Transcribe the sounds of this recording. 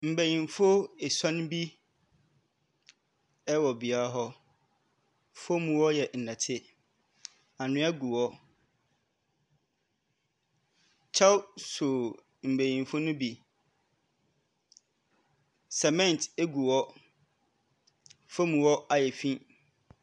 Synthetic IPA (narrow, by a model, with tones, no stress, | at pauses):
m̩˨bæ˨jĩ˨nfo˦e˨sã˦ñ˦bi˦ | ɛ˦wɔ˨bi˨a˦a˦ɦɔ˦ | fo˦mũ˨wɔ˦jɛ˨n̩˨nã˨tʰɪ˦ | a˨nʊ̃˦ɛ˦ɡu˨wɔ˦ | t͡ɕʰa˦wsʊ˨ | m̩˨bæ˨jĩ˨nfo˦nʊ̃˦bi˨ | sɛ˨mɛ̃˦n˨te˦ɡu˨wɔ˦ | fo˦mũ˨wɔ˦a˨jɛ˨fĩ˦